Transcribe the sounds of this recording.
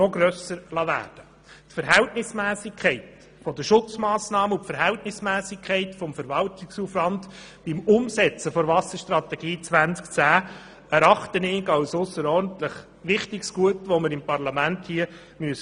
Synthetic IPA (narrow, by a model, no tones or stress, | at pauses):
nɔɡɾœsəɾlɑʋæ̰ːrd̥ə | tfəɾɦɛltnɪsmæːsɪkʰχɛɪt | fɔd̪əʃʊt͡smɑːsnɑːməʊtfəɾɦɛltnɪsmæːsɪkʰɛɪtfɔmfəɾʋɑltɪksuflɑnd | b̥ɪmʊmsɛt͡səfɔɾvɑsəɾʃt̪ɾɑt̪ɛɡiːt͡sʋænt͡skt͡sæː | æɾɑχt̪ənɪɡɑwsʊsːəɾɔɾdn̩t̪ləχ | ʋɪχtɪksɡ̥uətʋɔməɾɪmpɑɾlɑmænthiə | myəs